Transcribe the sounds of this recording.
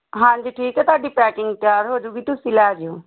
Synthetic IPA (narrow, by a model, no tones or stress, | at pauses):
ɦãːɲd͡ʒiːʈʰiːkɛt̪ʊaːɖiːpɛːkɪŋɡt̪ɪjaːɾɦoːd͡ʒuːɡiːt̪usilɛːd͡ʒeoː